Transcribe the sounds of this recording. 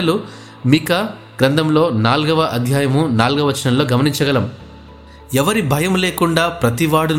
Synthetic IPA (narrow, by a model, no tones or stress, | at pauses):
ɐlu | mikɐ | ɡɾɐnd̪ɐmlo̞ːnaːlɡɐʋɐʔɐd̪ʱjaːjɐmunaːlɡɐʋɐt͡ʃːɐnɐmlo̞ːɡɐmɐniɲt͡ʃɐɡɐlɐm | ɛʋɐɾibʱɐjɐmle̞ːkuɳɖaːpɾɐt̪iʋaːɽun